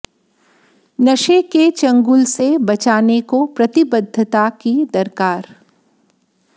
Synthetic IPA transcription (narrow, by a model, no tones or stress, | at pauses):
nɐʃeket͡ʃɐ̃ŋɡʊlsebɐt͡ʃaːnekopɾɐt̪ɪbəd̪ʱːət̪akid̪ɐɾkaːɾ